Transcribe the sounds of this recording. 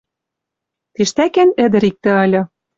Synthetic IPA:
t̪iʃt̪ækænɘ̆d̪ɘ̆ɾik̚t̪ɘ̆ɤlʲɤ̆

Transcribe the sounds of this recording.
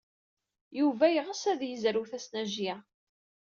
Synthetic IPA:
juvæjʁəsæðjəzɾuθæsnæʒjæ

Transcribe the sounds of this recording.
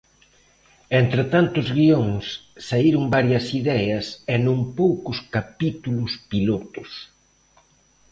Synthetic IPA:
ent̪ɾet̪ant̪ʊzɣioŋsːaiɾʊŋbaɾjɐsiðɛɐsenõŋpowkʊskapit̪ulʊspilot̪ʊs

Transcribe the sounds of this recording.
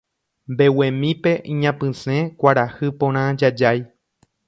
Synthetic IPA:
mbe̞wẽmĩpe̞ʔĩɲãpɨ̃sẽkʷaɾahɨpõɾ̃ãd͡ʒad͡ʒaj

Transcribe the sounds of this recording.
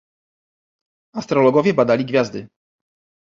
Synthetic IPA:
ast̪ɾɔlɔɡɔvʲjɛbad̪alʲiɡvʲjazd̪ɘ

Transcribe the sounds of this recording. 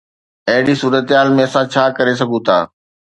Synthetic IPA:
ɐɦɪɽisuːɾət̪ɦaːlmẽɐsãt͡ɕʰaːkɐɾes̬ɐɡʱũt̪ʰa̰ː

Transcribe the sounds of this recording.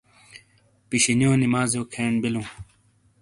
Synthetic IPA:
piɕinjõːnimaːzjoːkʰeːnbilũː

